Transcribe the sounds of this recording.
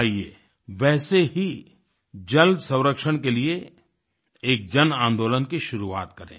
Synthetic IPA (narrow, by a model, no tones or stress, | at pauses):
ieː | ʋɛːseɦi | d͡ʒɐlsɐ̃w̃ɾəkʃəɽ̃k̬elie | eːk̚d͡ʒɐnãːnd̪oːlənkiʃʊɾua̰ːt̪kɐɾḛ̃ː